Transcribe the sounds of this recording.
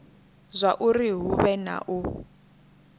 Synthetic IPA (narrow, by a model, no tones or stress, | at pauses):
zʷaʔuriɦuβɛna̰ʔu